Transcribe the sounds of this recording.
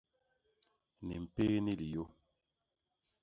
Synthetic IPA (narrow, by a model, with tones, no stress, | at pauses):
nḭ˨m̩˨pe˦ni˦li˨jo˦